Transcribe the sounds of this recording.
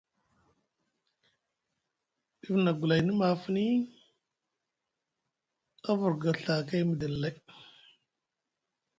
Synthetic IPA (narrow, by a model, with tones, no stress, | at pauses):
i˦vna˨ɡu˨la˨jni˦ma˨fə˦ni˦ | a˦vu˨ɾɡa˨ɬa˨ka˦jmə˨də˨lla˦j